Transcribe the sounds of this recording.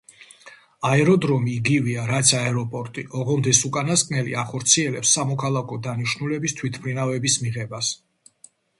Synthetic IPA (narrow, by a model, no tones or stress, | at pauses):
aɛɾɔd̪ɾɔmiːɡiviaɾat̪sʰaɛɾɔpʼɔɾt̪ʼiʔɔʁɔmd̪ɛsukʼanaskʼnɛlḭaχɔɾt̪sʰiɛlɛpsːamɔkʰalˠakʰɔd̪aniʃnulɛbist̪ʰwit̪ʰpʰlinavɛbismiʁɛbas